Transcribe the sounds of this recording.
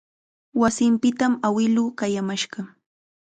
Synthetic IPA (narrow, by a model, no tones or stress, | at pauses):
wasɪmpɪt̪amawɪluːkajamaʃɢɑ